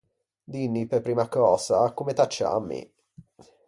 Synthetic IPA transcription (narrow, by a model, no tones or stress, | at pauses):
d̪inːiperpɾiːmakɔːsakomet̪at͡ʃːa̰mːḭ